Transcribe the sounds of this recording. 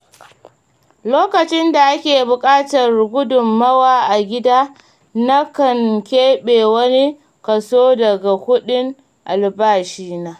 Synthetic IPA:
loː˦kɐ˨t͡ʃɪ˦nda˨ʔa˦kʲeː˨bʊ˨kʼaː˦tɐ˨rɡʷʊ˦dʊ˨mːɐ˦waː˨ʔa˨ɡʲɪ˦daː˦ | na˦kɐ˨ŋkʲeː˦ɓeː˨wɐ˦ni˦ | kɐ˨soː˦dɐ˨ɡa˨hʊ˦ɗɪ˦ŋ | ʔa˨lbaː˦˨ʃiː˦naː˦

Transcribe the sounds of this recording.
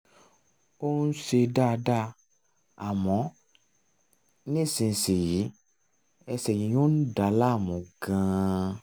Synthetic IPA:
o˦ũ˦ʃe˧da˦˧da˦ | a˨mɔ̃˨˦ | nĩ˦˨sĩ˧n̩˨se˨ji˨˦ | ɛ˧sɛ˨jĩ˨˦jo˦n̩˦da˨˦la˦˨mũ˨ɡã˧

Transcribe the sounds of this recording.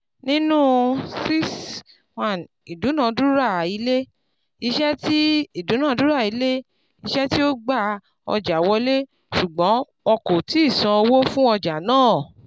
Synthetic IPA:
nĩ˦nũ˦si˦s | wa˦˨n | i˨du˨˦nã˨˦du˦ɾa˦˨i˨˧˦le˦ | i˧ʃɛ˦ti˦i˦˨dũ˨˦nã˦˨˧du˦ɾa˦˨i˧˦le˦ | i˧ʃɛ˦ti˦o˦ɡ͡ba˦˨ | ɔ̰˧d͡ʒa˨wɔ˧˦le˦ | su˨ɡ͡bɔ̃˨˦ | ɔ˧ko˨ti˨˦i˦˨sã˧o˧wo˦fũ˦ɔ˧d͡ʒa˨nãː˦˨

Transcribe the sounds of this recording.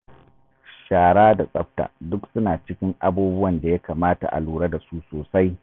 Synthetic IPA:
ʃaː˨ɽaː˦da˨sʼɐ˦ɸ̚ta̰˨dʊ˦ksʊ˦naː˨t͡ʃɪ˦kʲɪ˦ŋʔa˦buː˦bʊ˦wɐ˨nda˨ja˦kaː˨maː˦ta̰˨ʔa̰˨luː˦˨ɽa˦da˨su˦soː˨sa˦j

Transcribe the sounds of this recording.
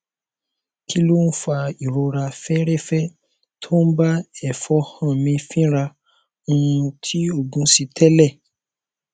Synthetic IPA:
kʰi˦lu˦n̩˦fa˧i˨ɾo˧ɾa˧fɛ˦ɾɛ˦fɛ˦ | tʰo˦n̩˦ba˦ɛ˦˨fɔ˨˧hã˦˨mĩ˧fĩ˦ɾa˧ | ũ˦˧tʰi˦o˦˨ɡũ˨˧si˧tʰɛ˦lɛ˦˨

